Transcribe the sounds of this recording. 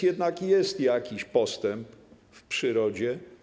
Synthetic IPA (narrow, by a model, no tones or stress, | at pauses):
jɛd̪nakjɛst̪jakʲiɕpɔst̪ɛmp | fpʂɘɾɔd͡ʑɛ